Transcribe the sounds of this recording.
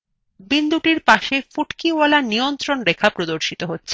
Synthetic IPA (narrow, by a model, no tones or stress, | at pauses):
bind̪uʈiɾpaʃefuʈkiɔlanijont̪ɾonɾekʰapɾod̪oɾʃit̪oɦotːɕʰe